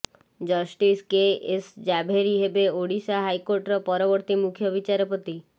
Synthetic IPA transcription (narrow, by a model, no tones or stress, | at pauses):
d͡ʒʌsʈiskeʔesd͡ʒabʱeɾiɦebeoɽisaɦajkoɾʈɾɔpɔɾɔbɔɾt̪imukʰjɔbit͡ʃaɾɔpɔt̪i